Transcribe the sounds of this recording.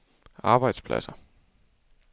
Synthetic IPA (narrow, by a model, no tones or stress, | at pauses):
ɑ̈ːb̥ɑ̈ɪd̥spʰlæ̰sɐ